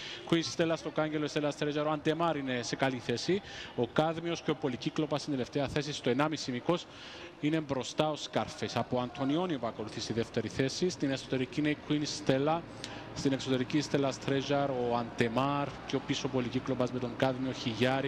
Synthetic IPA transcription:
kʰuinsst̪elːɐst̪o̞kɐɲɟeloist̪elɐst̪ɾeʒɐɾoɐnd̪e̞mɐɾine̞se̞kaliθe̞sio̞kaðmio̞sceo̞po̞liciklo̞pɐst̪ind̪ele̞ft̪eɐθe̞s̬ist̪oenɐmisimiko̞s | ine̞mbɾo̞st̪ɐo̞skaɾfesɐpoɐnt̪ʰo̞nio̞niopuɐko̞luθisiðe̞ft̪e̞ɾiθe̞sist̪ine̞so̞t̪e̞ɾicineikʰuinsst̪e̞lːɐ | st̪ine̞kso̞t̪e̞ɾicist̪elɐst̪ɾeʒɐɾo̞and̪e̞maɾceo̞piso̞po̞liciklo̞pɐzme̞t̪o̞ŋkaðmio̞çiʝɐɾi

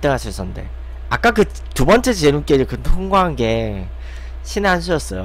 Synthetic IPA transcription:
t͈ɯŋɦaɕʰis͈ʌnnde̞̰ | ak͈akɯ | tubʌnt͡ɕ͈et͡ɕenunk͈ed͡ʑikɯtʰoŋɡwaɦanɡe̞ | ɕʰineɦanɕ̬ʰɯʌs͈ʌjo̰

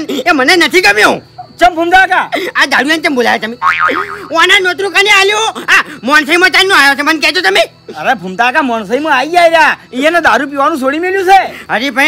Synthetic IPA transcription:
nemənenət̪ʰikəbjõt͡ʃəmbʱumt̪akaad̪aɽujãnt͡ʃəmbolajat͡ʃʰemi | ũanãnot̪ɾukanealjoamɔnsəimãt͡ʃannõajot͡ʃʰemənkɛt͡ʃot̪əmẽ | əɾebʱumt̪aːkamɔns̬əimãaid͡ʒaiɾjaijẽnad̪aɾup̬iʋanũs̬oɽimeljũt͡ʃʰeɦəɾipə̃

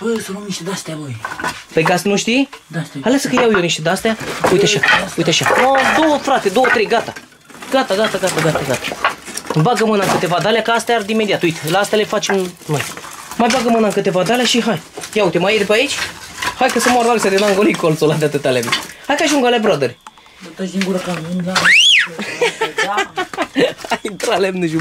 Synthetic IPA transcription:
pojosənomniʃt̪ed̪ast̪alojpejɡasnuʃt̪ihalasəkəjawjewniʃt̪ed̪ast̪eaujt̪aʃaujt̪eaʃanod̪owəfɾat̪ed̪o̞wət̪ɾe̞jɡat̪a | ɡ̥at̪aɡat̪aɡat̪aɡat̪aɡat̪ḁ | baɡəmɨnaŋkɨt̪e̞vad̪aleakəast̪ead̪ime̞d̪iat̪ujt̪elaːst̪ealefat͡ʃemnoj | majbaɡəmɨnaŋkɨt̪e̞vad̪aleaʃiɦajjaut̪emajed̪epeait͡ʃʲhajkəsəmaɾd̪alsʲad̪enaŋɡolikolsolad̪eat̪ɨt̪alemehajkaʒuŋɡalabɾad̪əɾʲe | t̪siŋɡuɾka | ajd̪ɾalemneʒum

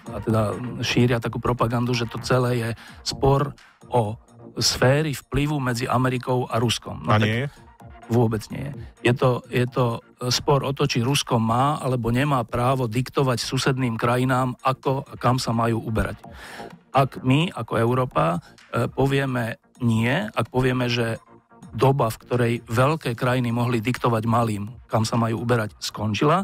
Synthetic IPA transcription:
at̪ɛd̪aʃiːɾɪat̪akuːpɾɔpaɡand̪uʒɛt̪ɔt͡sɛlɛːjɛspɔɾ | ʔɔ | sfɛːɾifpliʋumɛd͡ziʔa̰mɛɾikɔʊaɾuskɔ̰mnɔa | ʋʊɔbɛd͡zɲɪɛ̰jɛ̰jɛt̪ɔjɛt̪ɔ | spɔɾɔt̪ɔt͡ʃiɾuskɔmaːa̰lɛbɔɲɛmaːpɾaːʋɔd̪ikt̪ɔʋacsusɛd̪niːmkɾajinaːmakɔakamsamajuːubɛɾa̰c | akmiakɔɛʊɾɔːpapɔʋɪɛmɛ | ɲɪɛak̚pɔʋɪɛmɛʒɛ | d̪ɔbafkt̪ɔɾɛjʋɛʎkɛːkɾajinimɔɦlid̪ikt̪ɔʋaɟmaliːmkamsamajuːubɛɾacskɔnt͡ʃila

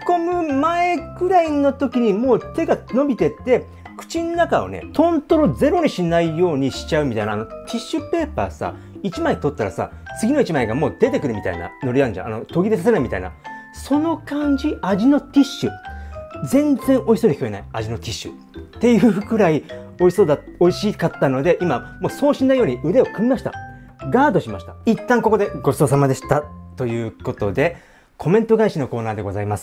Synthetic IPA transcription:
komɯ̟mae̞ɡɯ̟ɾaino̞t̪o̞kʲiɲ̟imo̞ːt̪e̞ɡano̞bʲit̪e̞t̪e̞ | kɯ̟̥t͡ɕinonːakao̞̰nḛt̪ʰõ̞nt̪o̞ɾo̞d͡ze̞ɾo̞ɲ̟iɕinaijo̞ːɲ̟iɕi̥t͡ɕaɯ̟mʲit̪ainaːnot̪ʲʰiɕːɨpe̞ːpa̰ːsa̰ | it͡ɕimaet̪o̞t̪ːaɾa̰sa̰t͡sɨɡʲino̞it͡ɕimae̞ɡamo̞ːd̪̥e̞t̪e̞kɯ̟ɾɯ̟mit̪a̰ina̰no̞ɾiãɲd͡ʑã̰ʔa̰no̞t̪o̞ɡʲid̪es̬as̬enaimit̪a̰ina̰ | so̞no̞kãɲ̟d͡ʑiaʑino̞t̪ʲiɕːɨ | d͡zẽ̞nd͡zẽŋʔo̞iso̞d̪içʲikʲoenaiaʑino̞t̪ʲiɕːɨ̰ | t̪ːe̞jɯ̟ɸɯ̟kɯ̟ɾaioisod̪ao̞iɕikat̪ːano̞d̪e̞ʔimamo̞ːso̞ːɕĩnːaijo̞ːɲiɯ̟ɾe̞o̞kɯ̟mʲimaɕi̥t̪a̰ɡaːd̪o̞ɕimaɕi̥t̪ḁit̪ːãŋko̞ko̞d̪e̞ɡo̞so̞ːs̬amad̪e̞ɕi̥t̪at̪o̞jɯ̟ːko̞t̪o̞d̪e̞ | kʰo̞mẽ̞nt̪o̞ɡaiɕino̞ko̞ːnaːd̪e̞ɡo̞zaimasɨ̥

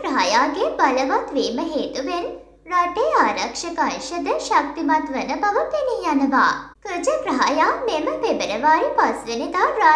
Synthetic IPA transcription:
ɾɐɦajaːɡebaləʋat̪ʋeːməɦeːt̪uʋen | ɾaʈeːaːɾɐkʂɐkaʃəd̪əʃak̚t̪imat̪ʋənəbaʋəpenijanəʋa̰ːkəd͡ʒəkɾɐɦajaːmeməpebəɾəʋaːɾipasʋened̪aːɾa

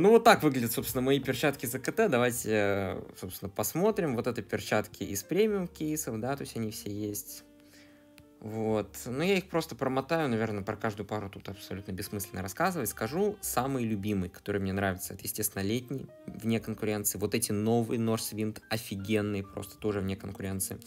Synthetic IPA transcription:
nuvo̞t̪ːakvɨɡlʲɪdʲɪt̪so̞pst̪ʲɪnəmɐipʲɪrt͡ɕat̪kʲɪzəkət̪ɛd̪ɐvajtʲɪsopsʲɪnəpɐsmo̞t̪ɾʲɪmvo̞t̪ɛt̪əpʲɪrt͡ɕat̪kʲʰɪʔɪspɾʲemʲɪumkʲejsəfd̪at̪o̞sʲɐnʲifsʲejesʲtʲ | vo̞t̪nujaixpɾo̞st̪əpɾəmɐt̪ajʊnɐvʲe̞rnəpɾɐkaʐd̪ʊjʊpaɾʊt̪ut̪ɐpsɐlʲut̪nəbʲɪsmɨsʲlʲɪnəɾɐskazɨvətʲskɐʐusamɨjlʲʊbʲimɨjkɐ̥t̪o̞ɾɨjmnʲenɾavʲɪt̪səɛt̪əjɪsʲtʲest̪vʲɪnəlʲetʲnʲɪj | vnʲekənkʊɾʲe̞nt̪sɨɪːvo̞t̪ɛtʲɪno̞vɨjəno̞rsvʲint̪ɐfʲɪɡʲenːɨjəpɾo̰st̪ə̥t̪o̞ʐɨvnʲekənkʊɾʲe̞nt̪sɨɪ

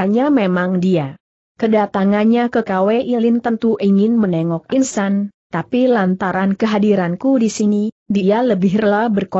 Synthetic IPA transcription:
aɲamemaŋdia | kədat̪aŋanɲakəkaweʔilint̪ənt̪uʔiŋɪnmənɛŋɔk̚insant̪apilant̪aɾankəɦadiɾankudisini | dialəbɪhrəlabərko

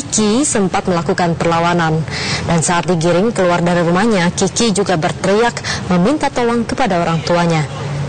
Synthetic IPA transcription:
ikisəmpat̪̚məlakukanpərlawanandansaːt̪̚diɡiɾɪŋkəluardaɾiɾumahɲakikid͡ʒuɡabərt̪ɾijakməmint̪at̪olɔŋkəpadaoɾaŋt̪uaɲa

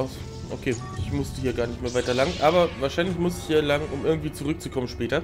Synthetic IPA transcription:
ʔaʊs | ʔo̰kʰeːʔɪçmʊstəhiːɐɡaːɐnɪçtmeːɐvaɪtɐlaŋnʔaːbɐvaːɐʃaɪnlɪçmʊstɪçhiːɐlaŋənʔʊmʔɪɐɡŋ̩tv̥iːt͡suʁʏk̚t͡sukʰɔmənʃpɛːtɐ

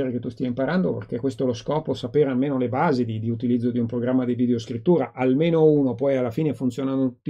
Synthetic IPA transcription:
eɾeket̪ːust̪iaimpaɾand̪opḛrkekwest̪oloskɔːposapeːɾealmeːnolebaːzid̪id̪iut̪ilid̪zːod̪iumpɾoɡɾamːad̪ivid̪eoskɾit̪ːuːɾaʔalmeːnouːnopɔjalːafiːnefunt̪sjoːnanout̪ː

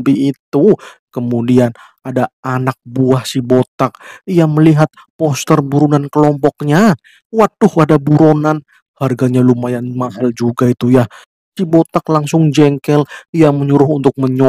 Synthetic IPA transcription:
biːt̪ukəmudian | adaanak̚buahsibot̪ak̚ijaməliɦat̪̚ | pɔst̪ərbuɾunankəlɔmpɔkɲa | wat̪̚dʊhadabuɾonan | harɡaɲalumajanmaɦald͡ʒuɡait̪uja | sibot̪aklaŋsʊŋd͡ʒɛŋkɛlijaməɲuɾʊɦunt̪ʊk̚məɲ

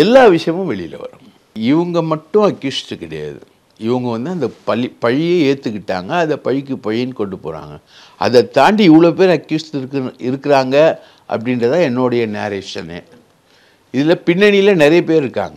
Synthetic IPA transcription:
ɛlːaːʋɪʂɐjɐmʊ̃ʋɛɭɪ̰jɪlɐ̰ʋɐ̰ɾɯ | ɪʋɐŋɡɐmɐʈːʊ̃ɐkːjusʈɯkɪɽɐja̰ːðɯ̰ | ɪʋɐŋɡɐʋɐnd̪ɯɐnd̪ɐpɐpɐɻɪjeːeːɾt̪ːɯkːɪʈːa̰ːŋɡɐɐnðɐpɐɻɪkːɯpɐɻɪnkɔɳɖɯpo̰ːɾa̰ːŋɡɐ | ɐ̰ðɐt̪aːɳɖiɪʋːɭoːp̬eːɾɐkjusʈːɪɾɯkːɪɾaːŋɡɐ | ʔɐ̰pːɐɽɪndɾɐt̪ãːɛnːoːɽɐjɐnḛːɾeːʂɐnḛː | ɪðɪlɐpɪnːɐɳɪjɪlɐnɪɾɐjɐpeːɾɪɾɯkːa̰ːŋɡɐ

